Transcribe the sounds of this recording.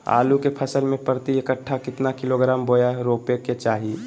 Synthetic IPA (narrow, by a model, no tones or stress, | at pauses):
a̰ːlukepʰəsəlmẽpəɾt̪iekəʈʰːakɪt̪nakɪloɡɾaːmboːjaɾoːpeket͡ʃaːɦi